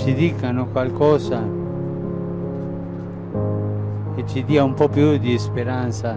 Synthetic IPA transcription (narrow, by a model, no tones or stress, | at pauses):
t͡ʃid̪iːkanokwalkɔːza | et͡ʃid̪iːaumpɔpjud̪ispeɾant̪sa